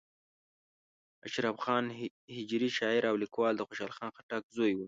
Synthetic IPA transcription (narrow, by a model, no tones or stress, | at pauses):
aʃɾafxɑn | hɪd͡ʒɾiʃɑɪɾawlikwɑld̪əxoʃɑlxɑnxaʈak̚zojwu